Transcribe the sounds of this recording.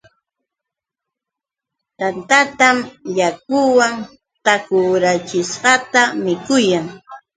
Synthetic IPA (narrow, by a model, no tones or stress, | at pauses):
t̪ant̪at̪amʎakʊwaŋ | t̪akʊɾat͡ʃɪsɢɑt̪amɪkʊjaŋ